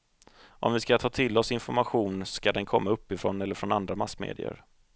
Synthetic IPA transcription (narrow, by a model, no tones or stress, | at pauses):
ʔɔ̰mvɪskat̪ʰɑːt̪ʰɪlːɔsɪnfɔɾmaɧuːnskad̪ɛnkʰɔmːaɵpːɪfɾoːnɛlːəɾfɾɔnand̪ɾamasːmḛːd̪ɪ̰ə̰ɾ